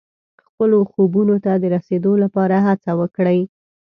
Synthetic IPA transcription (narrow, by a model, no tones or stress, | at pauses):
xpəloxobunot̪ad̪əɾased̪olapɑɾaɦat͡sawəkɽəj